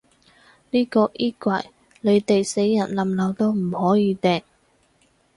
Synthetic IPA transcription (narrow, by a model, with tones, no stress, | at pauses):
niː˥kɔː˧ʔiː˥kʷɐ˨˩j | le˨˧jt̪e˨jse˨˥jːɐ˨˩nlɐ˨mlɐ˨˧wt̪o˥wm̩˨˩hɔː˨˥jiː˨˧t̪ɛː˨ŋ